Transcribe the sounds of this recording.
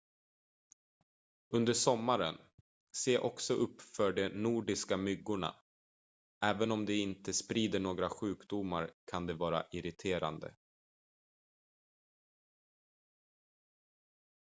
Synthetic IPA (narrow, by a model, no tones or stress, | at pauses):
ɵnd̪əʂɔmːaɾən | seːʔɔksɔʔɵpːfœɖɛnuːɖɪskamʏɡːʊɳa̰ | ʔɛːvənɔmd̪ɛɪnt̪əspɾiːd̪əɳoːɡɾaɧʉ̟ːkd̪ʊmaɾkʰand̪ɛvɑːɾa̰ʔɪɾɪt̪ʰeːɾa̰nd̪ə̰